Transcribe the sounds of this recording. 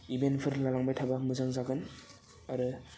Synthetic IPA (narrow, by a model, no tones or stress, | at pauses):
ibentpʰɯɾlalaŋbajtʰabamɯzaŋzaɡɯn | aɾɯ